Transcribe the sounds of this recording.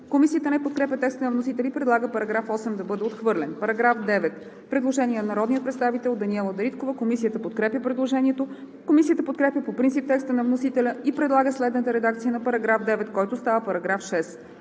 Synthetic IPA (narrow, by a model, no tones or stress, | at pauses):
komisijət̪ənɛpot̪̚kɾɛpʲjət̪ɛkst̪ənɐvnosit̪ɛlipɾɛd̪lˠaɡəpɐɾɐɡɾafɔsɛmd̪ɐbɤd̪ɛot̪xvɤɾlʲɛnpɐɾɐɡɾafd̪ɛvɛt̪ | pɾɛd̪lˠoʒɛniɛnnɐɾɔd̪niət̪pɾɛt̪st̪avit̪ɛlˠd̪ɐniɛlˠəd̪ɐɾit̪kovəkomisijət̪əpot̪̚kɾɛpʲjəpɾɛd̪lˠoʒɛniɛt̪o | komisijət̪əpot̪̚kɾɛpjʲəpopɾint̪ip̚t̪ɛkst̪ənɐvnosit̪ɛlʲəipɾɛd̪lˠaɡəslɛd̪nət̪əɾɛd̪akt̪sijənɐpɐɾɐɡɾafd̪ɛvɛt̪kɔjt̪ʊst̪avəpɐɾɐɡɾafʃɛs